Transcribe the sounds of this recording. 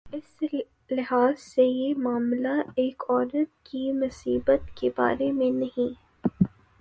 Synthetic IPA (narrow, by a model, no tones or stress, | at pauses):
ɪs | lɪɦaːzsejemaːmlaeːkɔːɾət̪̚kimʊsiːbət̪keba̰ːɾemẽnɐɦĩ